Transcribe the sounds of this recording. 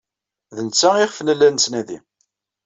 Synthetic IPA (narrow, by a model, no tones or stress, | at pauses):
ðənt͡sːæiχfənəlːænsnæðḭ